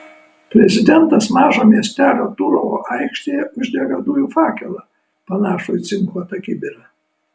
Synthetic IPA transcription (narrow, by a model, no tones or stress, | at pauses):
pʲɾʲɛzʲɪd̪ʲɛnt̪ɐsmɑːʒoːmʲiɛsʲt̪ʲæːlʲoːt̪ʊɾooːʔɐɪkʃʲt̪ʲeːjɛʔʊʒʲd̪ʲɛɡɐd̪ʊjuːfɑːkʲɛlˠɑ | pɐnɑːʃʊjt̪sʲɪŋklˠoːt̪ɐkʲɪbʲɪɾʲɐ